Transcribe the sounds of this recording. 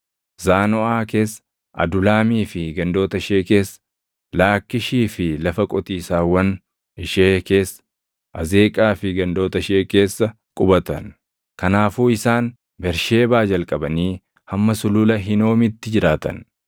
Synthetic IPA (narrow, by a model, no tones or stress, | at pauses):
zaːnɔʔaːke̞ːsː | ʔɐ̰d̪ʊlaːmiːfɪɡɐnd̪o̞ːt̪ɐɪʃeːke̞ːsːɐ | laːkːɪʃiːfɪlɐfɐkʼɔt̪iːsaːwɐn | ɪʃeːke̞ːsːɐ̥ | ʔɐzeːkʼaːfɪɡɐnd̪o̞ːt̪ɐɪʃeːke̞ːsːɐ | kʼʊbɐt̪ɐ̰n | kɐnaːfuːɪsaːn | bɛɾʃe̞ːbaːd͡ʒɐlkʼɐbɐniː | hɐmːɐsʊlʊlɐɦɪno̞ːmɪt̪ːɪd͡ʒɪɾaːt̪ɐ̰n